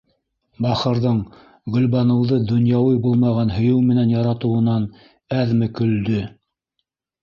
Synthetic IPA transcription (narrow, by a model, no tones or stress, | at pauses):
bɑχɤ̆ɾðɤɴ | ɡɵ̆lβɑnɤ̆wðɤd̪ŏnjɑwɤjbulˠmɑʁɑnhɵ̆jɵwmɘ̆nænjɑɾɑt̪ɤ̆wɤ̆nɑn | æðmɘkɵ̆ld̪ɵ